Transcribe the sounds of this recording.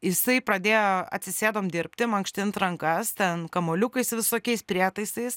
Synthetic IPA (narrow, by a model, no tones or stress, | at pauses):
jɪsɐɪpɾɐd̪ʲeːjoɐ̰t̪ʲsʲɪsʲeːd̪oːmd̪ʲɪɾʲpʲt̪ʲɪmɐŋkʃʲt̪ʲɪnt̪ɾɐŋkɐst̪ʲɛnkɐmoːlʲʊkɐɪsʋʲɪsoːkʲɛɪspʲɾʲiɛt̪ɐɪsɐɪs